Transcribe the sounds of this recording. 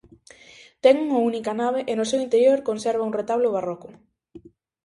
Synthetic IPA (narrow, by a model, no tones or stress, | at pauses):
t̪ɛŋuŋaunikɐnaβeʔenosewint̪eɾjoɾkonsɛɾβ̞ɐuŋret̪aβloβarɔkʊ